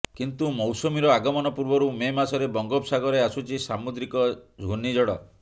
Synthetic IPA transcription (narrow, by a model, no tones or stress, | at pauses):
kint̪umɔwsomiɾɔaɡɔmɔnɔpuɾbɔɾumemasɔɾebɔŋɡɔpsaɡɔɾeasut͡ʃʰisamud̪ɾikɔd͡ʒʱɡʱunid͡ʒɔɽɔ